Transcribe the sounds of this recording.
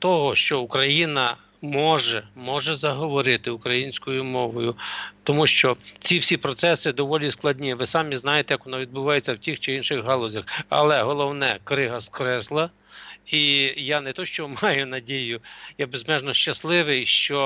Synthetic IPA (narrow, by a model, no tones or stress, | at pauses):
t̪ɔɦɔʃt͡ʃɔukɾɐjinɐ | mɔʒɛmɔʒɛzɐɦɔʋɔɾɪt̪ɪukɾɐjinʲsʲkɔjʊmɔʋɔjʊt̪ɔmuʃt͡ʃɔt͡sʲiwsʲipɾɔt̪sɛsɪd̪ɔʋɔlʲisklˠɐdʲnʲiʋɪsɑmʲiznɑjet̪ɛjɐkʋɔnɑʋʲid̪̚bʊʋɑjet͡sʲːɐwtʲixt͡ʃɪinʃɪxɦɑlˠɔzʲɐxɐ̰lˠɛɦɔlˠɔwnɛkɾɪɦɐskɾɛslˠɐ | ijanɛt̪ɔʃt͡ʃɔmɑjʊnɐdʲijʊjabezmɛʒnɔʃt͡ʃɐslˠɪʋɪjʃt͡ʃɔ